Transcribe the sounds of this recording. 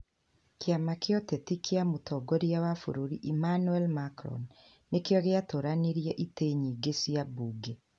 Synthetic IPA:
keamakjɔtetikʰeamotɔːɡɔɾiawafo̰ɾoɾiʔimanuɛlmakɾɔ̰nː | ekjɔɣeatoːɾaniɾiɛʔiteɲiːɡesjabuɡe

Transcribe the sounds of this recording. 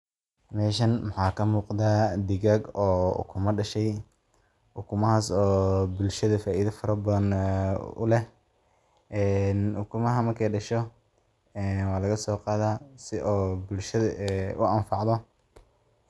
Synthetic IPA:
mɛːʃɐnmɑħɑːkʰɐmuːqðaːd̪ɪɣaːɡɔːʊ̰kʰʊmɐɖɐʃɛj | ʊkʰʊmɐɦaːsɔːbʊlʃɐðɐfaːʔiːðɐfɐɾɐbɐðɐn | ʊ̰lɛh | ɛːnʊkʰʊmɐɦɐmɐrkʰɛjɖɐʃɔ | ɛːnwɑːlɐɣɐsɔːqɑːðaːsɪʔɔːbʊlʃɐðɐʔɛʊɐnfɑʕðɔ

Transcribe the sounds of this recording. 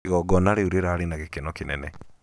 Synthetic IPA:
ɣɔɡɔnaɾeuɾeɾaːɾenaɣekenɔkinɛ̰nɛ

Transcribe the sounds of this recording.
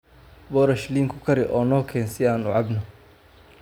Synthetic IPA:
bɔːɾɐʃliːŋkʰʊ̥kʰɐɾɪʔɔːnɔːkʰɛːnsɪaːnʊʕɑbnɔ

